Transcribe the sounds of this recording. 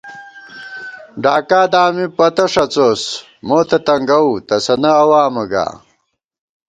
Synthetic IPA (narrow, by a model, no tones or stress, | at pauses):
ɖaːkaːd̪aːmipɐt̪ɐʂɐt͡soːs | moːt̪ʰɐt̪ɐŋɡɐut̪ɐsɐnɐɐwaːmɐɡa̰ː